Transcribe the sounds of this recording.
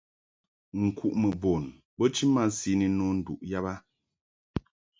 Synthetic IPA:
ŋ̩˨kʰu˨ʔmə˨bo˨n | bə˦t͡ʃi˦ma˦si˨˦ni˨nɔ˦n̩˨dṵ˨ʔja˦ba˦

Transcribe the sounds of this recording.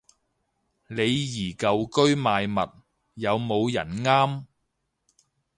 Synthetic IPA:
le˨˧jjiː˨˩kɐ˨wkɵ˥ɥmaː˨˧jmɐ˨t̚ | jɐ˨˧wmo˨˧wjɐ˨˩nŋaː˥m

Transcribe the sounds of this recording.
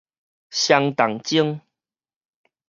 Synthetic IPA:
ɕja˧ŋt̪a˨˩ŋt͡ɕi˦əŋ

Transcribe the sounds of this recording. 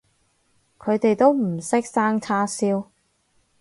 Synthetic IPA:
kʰɵ˨˧t̪e˨jt̪o˥wm̩˨˩sɪ˥k̚saː˥ŋt͡sʰaː˥siː˥w

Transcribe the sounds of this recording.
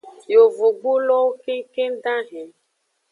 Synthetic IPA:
jo˨vu˨ɡ͡bu˦lɔ˦ke˦ke˦n˦ɖã˦ɦɛ̃˨

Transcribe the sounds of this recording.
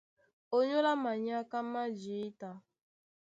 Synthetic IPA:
o˦ɲo˦la˦ma˨ɲ˦a˦ka˦ma˦d͡ʒi˨˦ta˨

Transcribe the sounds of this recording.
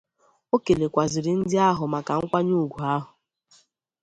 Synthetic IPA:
o˦ke˨le˨kʷa˨zɪ˨ɾɪ˨n̩˦dɪ˦a˦ɦʊ˨ma˨ka˨ŋ̩˦kʷa˦ɲu˦˨ɡʷu˨a˦ɦʊ˨

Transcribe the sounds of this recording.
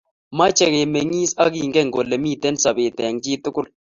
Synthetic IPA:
ma˦t͡ʃɛ˨kɛ˨mɛ˨ŋi˦sa˦ki˨ŋɡɛ˦˨ŋɡo˨lːɛ˨miː˦˨tɛ˦nsa˨be˨tɛ˨ŋt͡ʃi˦t̪ʊ˦kʊ˦l

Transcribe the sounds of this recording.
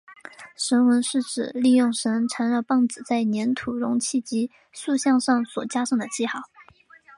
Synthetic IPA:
ʂə˧˥nwə˧˥nʂɻ̩˥˩ʈ͡ʂɻ̩˨˩li˥˧jʊ˥˩ŋʂə˧˥nʈ͡ʂʰa˧˥nɻɑ˥˧pɑ˥˩ŋt͡sɹ̩˨˩t͡sa˥˩ɪnjɛ˧˥nt̪ʰu˨˩ɻʊ˧˥ŋt͡ɕʰi˥˩t͡ɕi˧˥ | su˥˧ɕjɑ˥˧ŋʂɑ˥˩ŋswɔ̰˨˩t͡ɕja˥ʂɑ˥˩ŋd̪ə˩t͡ɕʰi˥˧xɑ˥˩˦ʊ

